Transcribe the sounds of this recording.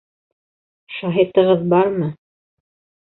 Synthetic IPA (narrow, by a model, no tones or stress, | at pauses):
ʃɑɦit̪ɤ̆ʁɤðbɑɾmɤ